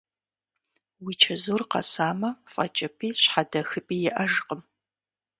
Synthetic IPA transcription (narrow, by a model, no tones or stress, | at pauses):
wiːt͡ʃʰɐzoːrqɐ̰saːmɐfʼɐ̰t͡ʃʼɐpʰiːɕħadɐxɨpʼiːjɪʔɐʒqʼəm